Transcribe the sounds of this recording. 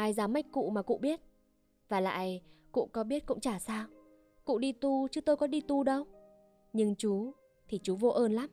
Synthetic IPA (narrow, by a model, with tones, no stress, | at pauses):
ʔaː˧jzaː˨˦mːa˦˥jk̟̚kṵ˧˨maː˨˩kṵ˧˨ɓi˦˥ət̚ | vaː˨˩la̰ː˧˨jkṵ˧˨kɔ˨˦ɓi˦˥ət̚kʊ̰˧˥ŋ͡mt͡ɕaː˧˩saː˧w | kṵ˧˨ɗi˧t̪u˧t͡ɕɨ˨˦t̪o˧jkɔ˨˦ɗi˧t̪u˧ɗə˧w | ɲɨ˧ŋt͡ɕu˨˦ | t̪ʰi˨˩t͡ɕu˨˦vo˧ʔəː˧nla˨˦m